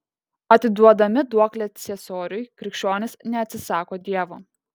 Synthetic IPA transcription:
ɐt̪ʲɪd̪uɔd̪ɐmʲɪd̪uɔklʲɛsʲɛsoːɾʲʊjkɾʲɪkʃʲt͡ʃʲoːnʲɪsnʲɛɐt̪ʲsʲɪsɑːkoːd̪ʲiɛʋoː

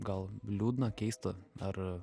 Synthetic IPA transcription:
ɡɐlˠlʲuːd̪nɐkʲɛɪst̪ɐɐr

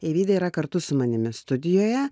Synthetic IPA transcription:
ɛɪʋʲiːd̪ʲɐiɾɐkɐɾt̪ʊsʊmɐnʲɪmʲɪst̪ʊd̪ʲɪjoːjɛ

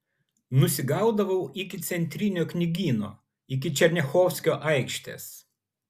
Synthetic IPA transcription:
nʊsʲɪɡɐˑʊd̪ɐʋɐʊʔɪkʲɪt̪sʲɛnʲt̪ʲɾʲɪnʲoːknʲɪɡʲiːno̰ː | ɪk̬ʲɪt͡ʃʲɛɾʲnʲɛxɔːwsʲkʲoːʔɐɪkʃʲt̪ʲḛːs

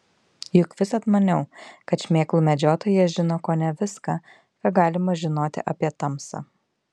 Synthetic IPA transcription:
jʊkʋʲɪsɐt̪mɐnʲɛʊkɐt̪ʃʲmʲeːklˠuːmʲɛd͡ʒʲoːt̪oːjɛʒʲɪnoːkoːnʲɛʋʲɪskɑ | kɐɡɑːlʲɪmɐʒʲɪnoːt̪ʲɪ̰ʔɐpʲiɛt̪ɐmsɐ̰ː

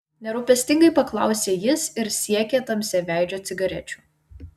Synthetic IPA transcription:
nʲɛɾʊpʲɛsʲt̪ʲɪŋɡɐɪpɐklˠɑ̰ˑʊsʲeːjɪsɪɾsʲiɛkʲeːt̪ɐmʲsʲɛʋʲæˑɪd͡ʒʲoːt̪sʲɪɡɐɾʲɛ̰t͡ʃʲu̥ːˑ

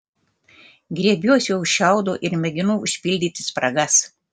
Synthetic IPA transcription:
ɡɾʲiɛbʲuɔsʲɛʊʊʃʲʃʲɛˑʊd̪oːʔɪɾmʲɛɡʲɪnuːʊʃʲpʲɪlʲd̪ʲiːt̪ʲɪ̥spɾɐɡɐs

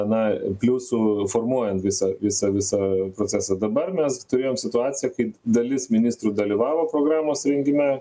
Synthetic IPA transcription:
ɛnɐpʲlʲuːsuːfoːrmuɔjɛnt̪ʋʲɪsɐʋʲɪsɐʋʲɪsɐpɾosʲæːsɐd̪ɐbɐrmʲɛst̪ʊɾʲeːjoːmsʲɪt̪ʊɑːt͡ssʲɪjɛkɐɪd̪ɐlʲɪsmʲɪnʲist̪ɾuːd̪ɐlʲiʋɑːʋoːpɾoːɡɾɑːmoːsɾʲɛŋʲɡʲɪmʲæ

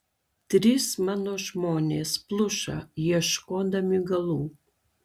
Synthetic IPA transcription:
t̪ɾʲismanoʃmonʲesplˠuʃa̰jɛʃkod̪amyɡalˠu

